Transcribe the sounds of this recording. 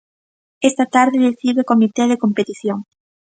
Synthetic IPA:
est̪at̪aɾðeðeθiβekomit̪eðekompet̪iθjoŋ

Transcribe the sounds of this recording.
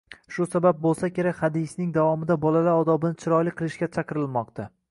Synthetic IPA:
ʃʊsabab̚bolˠsakʲe̞ɾakʲhad̪ɪsnɪŋd̪avɒmɪd̪abɒlalaɾɒd̪ɒbɪnɪt͡ʃʰɪɾɒjlɪqʰɨlˠɪʃkʲat͡ʃʰɑqɨɾɪlˠmɒq̚t̪ʰa

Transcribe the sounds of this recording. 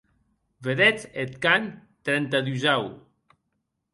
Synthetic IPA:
veðɛt͡set̪̚kan | t̪ɾɛnt̪aðuzaw

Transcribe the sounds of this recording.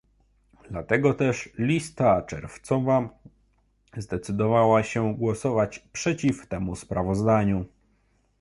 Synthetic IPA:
d̪lat̪ɛɡɔt̪ɛʂlʲist̪at͡ʂɛ̰ɾft̪sɔva | zd̪ɛt̪sɘd̪ɔvawaɕɛɡwɔsɔvat͡ɕpʂɛt͡ɕift̪ɛmuspɾavɔzd̪aɲu

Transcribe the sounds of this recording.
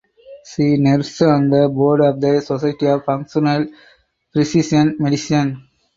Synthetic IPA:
siːneɾsɔ̃nd̪əboːɾɖɔːʋd̪əsɔsaɪʈiɔːʋfʌ̃ŋkʃɔnəl | pɾɪsisə̃nmeɖɪsiə̃n

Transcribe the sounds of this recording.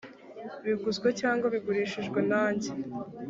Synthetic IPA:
βiɡuzɡwecaːŋɡaβiɡuɾiːʃiʒɡwe̞naːɲɟe

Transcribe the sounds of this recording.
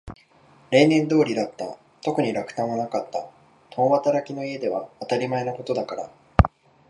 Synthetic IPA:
ɾẽ̞ːnẽ̞nd̪o̞ːɾʲid̪at̪ːa̰ | t̪o̞kɯ̟ɲ̟iɾakɯ̟̥t̪ãɰ̃βanakat̪ːa̰ | t̪õβat̪aɾakʲino̞ie̞d̪e̞βaːt̪aɾʲimae̞nako̞t̪o̞d̪akaɾa̰

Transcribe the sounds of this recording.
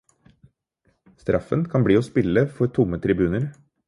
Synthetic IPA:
st̪ɾʔɑfənkʰɑnbɽiːoːspɪləfɔɾt̪ʰʊmːət̪ʰɾɪbʉːnəɾ

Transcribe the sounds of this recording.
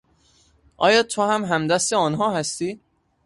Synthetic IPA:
ʔɒːjɒːt̪ʰohæmɦæmd̪æst̪eɒːnɦɒːhæst̪iː

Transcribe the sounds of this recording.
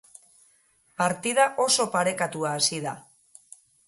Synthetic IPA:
paɾt̪ið̞aʔo̞so̞paɾe̞kat̪uaːsiða

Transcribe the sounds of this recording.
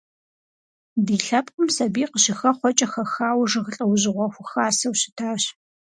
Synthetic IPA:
diːɬɐpqʷʼʊmsɐbiːqəɕɪxɐχʷɔt͡ʃʼɐxɐxaːwʐɨʁəɬʼɐwʊʑɪʁʷɔxʷʊxaːsɐwɕɪ̥tʰaːɕ

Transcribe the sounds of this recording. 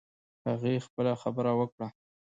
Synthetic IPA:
haɣixpəlaxabəɾawəkɽa

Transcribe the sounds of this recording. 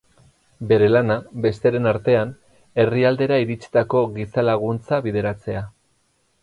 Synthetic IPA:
be̞ɾe̞lanabe̞st̪eɾe̞naɾt̪e̞an | e̞riald̪e̞ɾaiɾit͡si̥t̪ako̞ɣisalaɣ̞unt͡saβið̞e̞ɾat͡se̞a

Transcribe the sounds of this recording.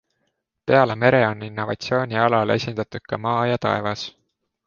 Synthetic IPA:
pe̞ɑleme̞ɾeo̞ninːo̞vɑt̪sio̞ːnʲiɑlɑle̞̰sʲind̪̥ɑt̪ud̪̥̚kɑmɑːjɑt̪ɑ̰e̞vɑs

